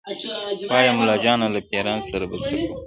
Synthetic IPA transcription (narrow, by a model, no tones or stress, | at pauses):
ɑjamʊlɑd͡ʒɑnalapeɾɑnsaɾabat̪ak